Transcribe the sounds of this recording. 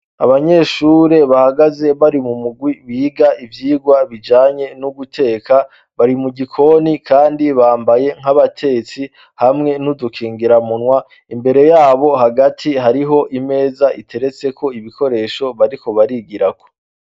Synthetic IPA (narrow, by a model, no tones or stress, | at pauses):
a̰βaɲe̞ːʃuːɾe̞βahaɡaze̞βaɾimumuɡwiβiːɡaʔivjiːɡwaβid͡ʒaːɲe̞nuɡutʰe̞ːka | βaɾimuɡikʰo̞nikʰaːndiβaːmbaje̞ŋ̥aβatʰe̞t͡si | hamŋe̞nudukʰiːŋɡiɾamunwa | imbe̞ɾe̞jaːβo̞ɦaɡatʰihaɾiɦo̞ʔime̞ːzaʔitʰe̞ɾe̞t͡se̞kʰo̞iβikʰo̞ɾe̞ːʃo̞βaɾiko̞βaɾiːɡiɾako̥